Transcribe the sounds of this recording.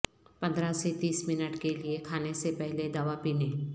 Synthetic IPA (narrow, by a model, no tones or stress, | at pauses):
pɐ̃nd̪ɾaset̪iːsmɪnəʈkeliekʰaːnesepɛɦled̪aʋapiːneː